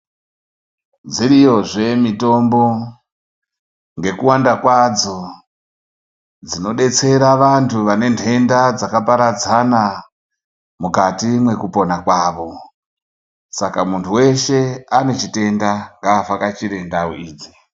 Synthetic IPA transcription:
d͡ziɾijo̞ʐe̞mito̞mbo̞ | ŋɡe̞kuwandakwad͡zo̞ | d͡zino̞ɗe̞t͡se̞ɾaʋantʰuʋane̞ntʰe̞ndad͡zakapaɾad͡zana | mukatimwe̞kupo̞nakwaːʋo̞ | sakamuntʰuwe̞ʃe̞ane̞t͡ʃite̞ndaŋɡaːfakat͡ʃiɾendawoiːd͡zi

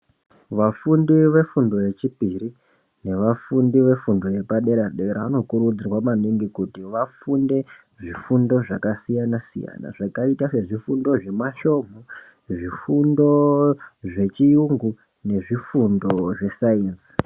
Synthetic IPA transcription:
ʋafundiʋe̞fundo̞je̞t͡ʃipiri | ne̞ʋafundiʋe̞fundo̞je̞paɗe̞ɾaɗe̞ɾaano̞kuɾud͡zirwamaniŋɡikutiʋafunde̞ | ʐifundo̞ʐakasijanasḭja̰na̰ʐakaitaseʐifundo̞ʐe̞maʃo̞m̤o | ʐifundo̞ | ʐe̞t͡ʃijuŋɡu | ne̞ʐifundo̞ʐe̞sainsi̥

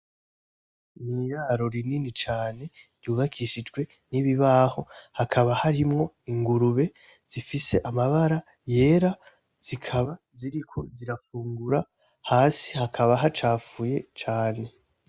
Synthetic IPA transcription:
nijaːɾo̞ɾininit͡ʃaːne̞ɾjuːβakʰiʃid͡ʒɡwe̞niβiβaːho̞hakʰaβahaɾimŋo̞ | iŋɡuɾuβe̞ | z̥ifise̞ʔamaβaɾa | je̞ːɾa | z̥ikʰaβa | ziɾikʰo̞ziɾafuːŋɡuɾa | haːsi̥hakʰaβaɦat͡ʃaːfuje̞t͡ʃaːne̞

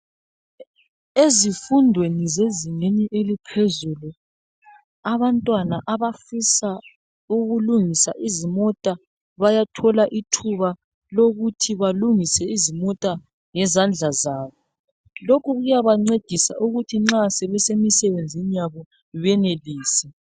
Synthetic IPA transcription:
ezifundʱwenizeziŋeniʔelipʰɛzulu | aβantʼwanaʔaβafisa | uɣuluŋisa̰ʔizimɔtʼa | βajatʰɔlaʔitʰuβa | loɣutʰiβaluŋisɛizimɔtʼa | ŋɛzand͡ɮʱazaːβɔ | lokʰuɣujaβaŋ͡ǀed̥ʱisa̰ʔuɣutʰiŋ͡ǁasɛβɛsemisɛβend͡zʱinijaβɔ | βɛneliːsi

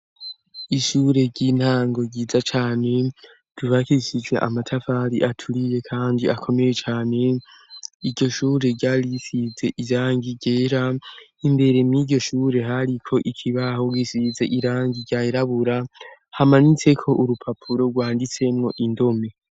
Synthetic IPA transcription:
iʃuːɾe̞ɟin̥haːŋɡo̞ɟiːzat͡ʃaːne̞ | d̥uβakisid͡ʒwḛʔa̰matʰafaɾḭʔatʰuɾije̞kʰaːndiʔakʰome̞je̞t͡ʃaːne̞ | idɟo̞ʃuːɾe̞ɾɟaːɾisize̞ʔiɾaːŋɡiɟe̞ːɾainde̞ɾe̞mjiːɟo̞ʃuːɾe̞ɦaɾikʰo̞ʔikʰiβaho̞ɡwisize̞ʔiɾaːŋɡiɟaːiɾaβuɾahamanit͡se̞kʰo̞ʔuɾupʰapʰuɾo̞ɡwaːndit͡se̞mŋo̞ʔindo̞me̞

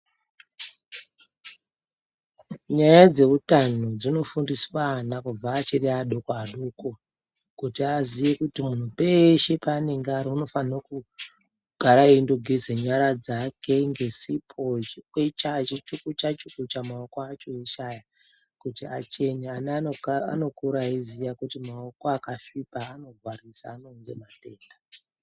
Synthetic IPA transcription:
ɲajad͡ze̞utan̤od͡zino̞fundiswanakub͡vaːt͡ʃiriaɗokoaɗoko | kutiaziʋekutimun̤upeʃepaneŋɡaɾouno̞fanroku | ɡ̥ʱaɾaindoɡʱezeɲaɾad͡zakʰe̞ŋɡe̞sipʰot͡ʃkwet͡ʃat͡ʃit͡ʃukut͡ʃat͡ʃukut͡ʃamaokoat͡ʃo̞eʃaja | kutia̰t͡ʃe̞nianaa̰no̞kuɾaizijakutimaoko̞akafipaːno̞varisa̰ːno̞nze̞̰mate̞ːnda

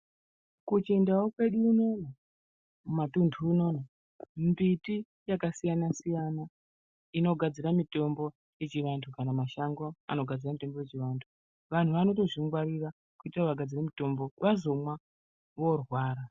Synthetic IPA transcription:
kut͡ʃiendawokwe̞ɗuːno̞na | mumatundʰʱuːno̞ːna | mbiti | jakasijanasijana | ino̞ɡʱad͡ziɾamito̞mbo̞ | je̞t͡ʃiʋantʰukanamaʃaŋɡoa̰no̞ɡʱad͡ziramito̞mbo̞je̞t͡ʃiʋantʰu | ʋan̤uʋano̞to̞ʐiŋɡwaɾira | kuitiraʋaɡʱad͡ziremito̞mbo̞ʋazo̞mwa | ʋo̞rwaːɾa

